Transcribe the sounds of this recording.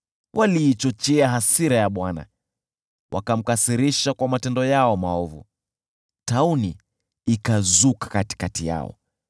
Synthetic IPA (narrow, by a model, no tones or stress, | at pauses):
wʔaliːt͡ʃɔt͡ʃɛaɦasiɾajaɓwana̰ | wʔa̰kam̩kasiɾiʃakwamatɛndɔjaɔmaɔvṵ | tauniː | kazukḁkati̥katija̰ɔ̰